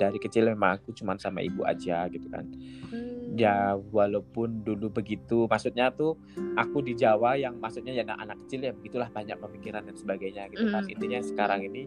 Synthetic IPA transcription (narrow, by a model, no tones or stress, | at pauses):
daɾikət͡ʃɪlmemaŋakut͡ʃumansama̰ḭbuʔa̰d͡ʒaɡit̪uka̰n | jawalaupʊndulubəɡit̪umahsut̪̚ɲat̪u | akudid͡ʒawajaŋmaksut̪̚ɲajada̰ʔa̰nakːə̥t͡ʃɪljabəɡit̪ulaht̪aɲa̰ʔpəmikiɾandansəbaɡajɲaɡit̪ukaḭnt̪iɲasə̥kaɾaŋini